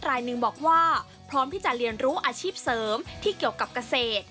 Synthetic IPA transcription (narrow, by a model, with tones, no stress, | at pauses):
ɾaː˧jnɯ˨˩ŋbɔː˨˩k̚waː˥˩ | pʰɾɔː˦˥mt̪ʰiː˥˩t͡ɕa˨˩ɾi˧ənɾuː˦˥ʔaː˧t͡ɕʰiː˥˩p̚sɤː˩˦mt̪ʰiː˥˩ki˨˩əwka˨˩p̚ka˧seː˨˩t̪̚